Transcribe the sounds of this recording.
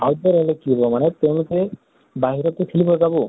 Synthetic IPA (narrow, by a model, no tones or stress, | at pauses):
awd̪ɔɾeɦlekibɔmanet̪ewnt̪e | baɦiɾɔt̪ukʰilibɔd͡ʒabu